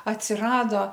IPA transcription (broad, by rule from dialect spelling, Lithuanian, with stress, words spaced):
ɐtʲsʲɪˈrɑːdoː